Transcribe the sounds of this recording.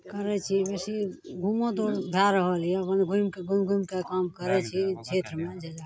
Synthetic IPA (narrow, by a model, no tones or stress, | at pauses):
kəɾɛt͡ʃʰibesiɡʱumõd̪oɾbʱaɾəɦəlijɛəpənɡʱumkeɡumɡʱumkekamkəɾɛt͡ʃʰit͡ʃʰet̪ɾmed͡ʒəd͡ʒa